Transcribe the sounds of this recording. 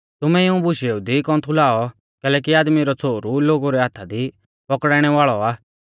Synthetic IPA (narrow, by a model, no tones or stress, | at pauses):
t̪ʊmɛiũbʊʃjeud̪ikɔ̃ːt̪ʰʊlaːɔ | kɛːlɛːk̬iaːd̪miɾɔt͡sʰoːɾuloːɡuɾɛɦaːt̪ʰad̪i | pɔkɽaːɽ̃ɛʋaːɭɔaː